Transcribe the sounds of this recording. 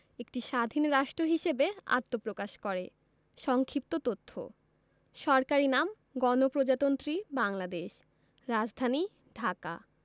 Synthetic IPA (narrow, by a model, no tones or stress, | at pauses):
ek̚ʈiʃad̪ʱinɾaʃʈɾoɦiʃebea̰t̪ːopɾokaʃkɔɾe | ʃɔŋkʰip̚t̪ot̪ot̪ʰːo̰ | ʃɔɾkaɾinam | ɡɔnopɾod͡ʑat̪ont̪ɾibaŋlad̪eʃ | ɾad͡ʑd̪ʱani | ɖʱaka̰